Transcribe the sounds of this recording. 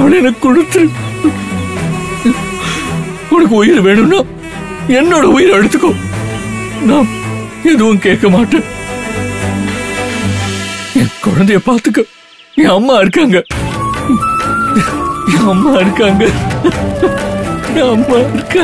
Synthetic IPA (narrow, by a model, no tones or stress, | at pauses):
ɐʋɐɭɛnɐkːkːʊɽɯt̪ːɯɾɯ | ʊnɐk̬ːɯʊjɪɾʋeːɳɯmnːaː | ɛnːoːɽɐʊjɪɾɛɽɯt̪ːɯkːõ | naːm | ɛðɯʋʊ̃keːʈ̚kːɐmaːʈːẽː | ɛkɔɻɐnd̪ɐjɐpaːɾt̪ɯkːɯ | ẽːɐmːaːɪɾɯkːaːŋɡɐ | ẽɐmːaːɪɾɯkːaːŋɡɐ | ẽɐmːaːɪɾɯkːaː